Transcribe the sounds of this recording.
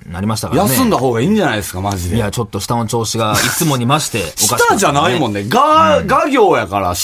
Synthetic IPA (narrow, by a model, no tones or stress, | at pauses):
naɾʲimaɕi̥t̪akjaneɨ̃nd̪aɦo̞ːɡaĩːɲ̟d͡ʑanaid̪esɨ̥kamaʑid̪ejat͡ɕo̞t̪ːo̞ɕi̥t̪anot͡ɕo̞ːɕiɡait͡sɨmo̞ɲ̟imaɕi̥t̪e̞ɕokikaɕt̪aʑanaimõ̞nːeɡaɡaɡʲo̞ːjakaɾa̰